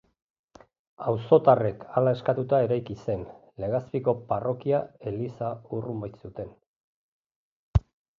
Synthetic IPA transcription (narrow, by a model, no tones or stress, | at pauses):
awso̞t̪are̞kʰalae̞skat̪ut̪ae̞ɾajkise̞n | le̞ɣaspiko̞paro̞kiae̞lisaurumbaj̪sut̪e̞n